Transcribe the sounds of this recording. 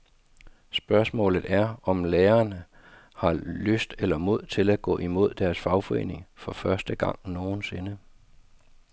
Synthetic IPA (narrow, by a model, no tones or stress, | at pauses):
sb̥ɶɐsmɔ̰̽ːlð̩ˠæɐɒ̽mleːɐnə | hɑ̈løsd̥elɐmo̝ð̞̰ˠt͡sʰe̝læɡ̥ɔ̰̽ːimo̝ð̞̰ˠd̥æɐsfɑ̈ʊfɒ̽e̝̰ːne̝ŋfɒ̽fɶɐsd̥əɡ̥ɑ̈ŋ̰no̝ːn̩se̝nə